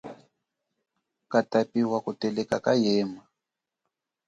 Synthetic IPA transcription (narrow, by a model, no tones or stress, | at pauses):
katapiwakutɛlɛkakajɛːma